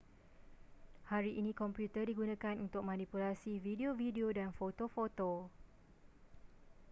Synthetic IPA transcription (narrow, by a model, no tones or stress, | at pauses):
haɾiʔinĩkɔmpjut̪ədiɡunãkanunt̪ʊk̚mãnĩpulasivideovideodanfot̪ofot̪o